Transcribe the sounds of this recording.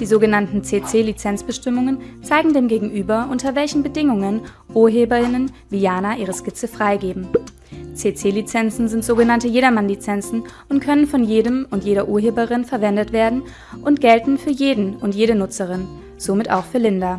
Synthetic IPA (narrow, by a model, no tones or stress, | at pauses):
d̥iːzoːɡənantn̩t͡seːt͡seːlit͡sɛnt͡sb̥əʃtɪmʊŋənt͡saɪɡŋ̩deːmɡeːɡŋ̩ʔyːbɐʔʊntɐvɛlçn̩bədɪŋʊŋən | ʔuːɐɦeːbɐʁɪnənviːjaːnaʔiːʁəʃkɪt͡səfʁ̥aɪɡeːbm̩ | t͡seːt͡seːlit͡sɛnt͡sn̩zɪntz̥oːɡənantəjeːɾɐmanlit͡sɛnt͡sn̩ | ʊntkʰœnənfɔnjeːdəmʊntjeːɾɐʔuːɐɦeːbəʁɪnfɛɐvɛndətv̥eːɐdn̩ | ʔʊntɡ̥ɛltn̩fyːɐjeːdn̩ʊntjeːɾənʊt͡səʁɪn | z̥omɪta̰ʊxfyːɐlɪnda